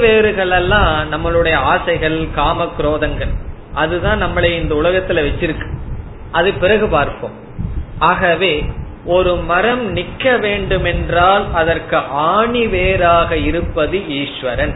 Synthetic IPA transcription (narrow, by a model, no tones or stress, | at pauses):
ʋeːɾɯɣɐɭɐlːãːnɐmːɐɭɯɽɐjɐaːsɐɪɣɐɭkaːmɐkːɪɾoːðɐŋɡɐɭ | ʔɐðɯðãːnnɐmːɐɭɐɪnd̪ɐʊɭɐɣɐt̪ːɪlʋɛt͡ʃːɪɾɯkːɯ̥ | ɐðɯpːɪɾɐɣɯpaːɾpo̰ːm | ʔaːɣɐʋeː | ʔɔɾɯmɐɾɐmnɪkːɐʋeːɳɖɯmɛndraːlɐðɐrkɯʔaːɳiʋeːɾaːɣɐɪɾɯpːɐðɯiːʂʋɐɾɐn